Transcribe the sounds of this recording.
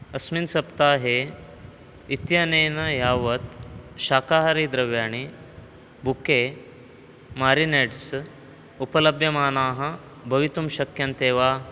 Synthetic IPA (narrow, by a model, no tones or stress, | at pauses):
ɐsminsɐpt̪aːɦe | it̪janenɐjaːʋət̪ɕaːkaɦɾid̪ɾɐʋjaːɳ̃i | bʱuke | maːɾineʈs | upələbjɐmaːnaːɦɐ | bʱɐʋit̪umɕɐkjɐnt̪eːʋa